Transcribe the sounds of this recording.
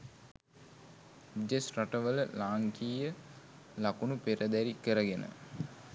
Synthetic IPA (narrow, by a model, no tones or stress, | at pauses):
d͡ʒesraʈəʋələlaːŋkiːjə | lakunupeɾəd̪æɾikəɾəɡenə̰